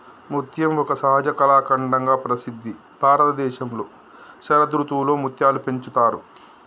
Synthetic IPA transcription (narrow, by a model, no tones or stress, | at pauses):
mut̪jɐmɔkɐsɐɦɐd͡ʒɐkɐlaːkɐɳɖɐŋɡaːpɾɐsid̪ʱːi | b̥ʱaːɾɐt̪ɐd̪ɛːʃɐmlo̞ː | ʃɐɾɐd̪ɾut̪uːlo̞ːmut̪jaːlupe̞ɲt͡ʃut̪aːɾu